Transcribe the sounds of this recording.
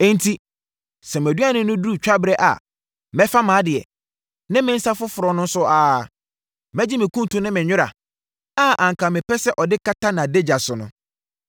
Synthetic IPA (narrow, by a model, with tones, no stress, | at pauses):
ɛ̃˦n̩˦tʰi˦ | sɛ˨m˨æ˨dɥa˦nʊ̃˦nʊ̃˦du˦˨t͡ɕᶣa˦bɪ˦ɾɛ˦ʔa̰˨ | mɛ̃˦fa˦mãː˨˦dɪ˨ɛ̰˨ | nɪ̃˦mɪ̃˦n̩˦sa˦fʊ˦fʊ˨ɾɔ˨nʊ̃˦n˦sʊ˦aː˨ | mɛ˦d͡ʑɪ˦mɪ̃˨kʰũ˦n˨tũ˨nɪ̃˦mɪ̃˨ɲᶣʊ˦ɾa̰˨ | a˦ʔã˨ŋ˨kʰa˨mɪ̃˨pɛ˦sɛ˦ʔɔ˨dɪ˦kʰa˦ta˦nã˨de˦d͡ʑa˨sʊ˨nʊ̃˨